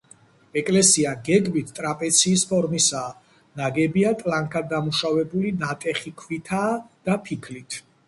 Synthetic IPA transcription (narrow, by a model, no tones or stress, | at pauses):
ɛkʼlɛsiaɡɛɡmit̪ʰt̪ʼɾapʼɛt̪sʰiːspʰɔɾmisaː | naɡɛbiat̪ʼlaŋkʰad̪̚dːamuʃavɛbulinat̪ʼɛχikʰvit̪ʰaːd̪̥apʰikʰlit̪ʰ